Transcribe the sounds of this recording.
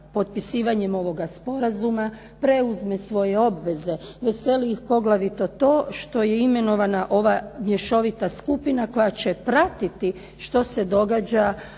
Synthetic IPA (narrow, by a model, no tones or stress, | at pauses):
po̞t̪̚pisiːʋaɲe̞mo̞ʋo̞ɡaspo̞ɾazuma | pɾe̞uzmesʋo̞je̞o̞bʋe̞ze̞ʋe̞se̞liixpo̞ɡlˠaʋit̪o̞t̪o̞ːʃt̪o̞je̞ime̞no̞ʋanaʔo̞ʋamjeʃo̞ʋit̪askupinako̞jat͡ɕepɾat̪it̪i | ʃt̪o̞se̞d̪o̞ɡad͡ʑa